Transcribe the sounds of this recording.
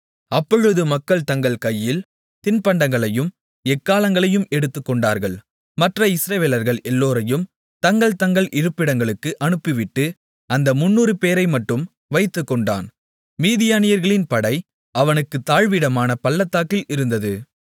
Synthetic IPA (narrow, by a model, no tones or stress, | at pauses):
ɐpːɔɻɯðɯmɐkːɐɭt̪ɐŋɡɐɭkɐjːɪl | t̪ɪnpɐɳɖɐŋɡɐɭɐjɯm | ɛkːaːlɐŋɡɐɭɐjɯmɛɽɯt̪ːɯkːɔɳɖaːɾɣɐɭ | mɐʈrɐɪsɪɾɐʋeːlɐɾɣɐɭɛlːoːɾɐjɯm | t̪ɐŋɡɐɭt̪ɐŋɡɐɭʔɪɾɯpːɪɽɐŋɡɐɭɯkːɯʔɐnɯpːɪʋɪʈːɯ | ɐnd̪ɐmʊnːuːɾɯpeːɾɐɪmɐʈːɯm | ʋɐɪt̪ːɯkːɔɳɖa̰ːn | miːðɪjaːnɪjɐɾɣɐɭɪnpɐɽɐɪ | ɐʋɐnɯkːɯt̪ːaːɻʋɪɽɐmaːnɐpɐlːɐt̪ːaːkːɪlɪɾɯnd̪ɐðɯ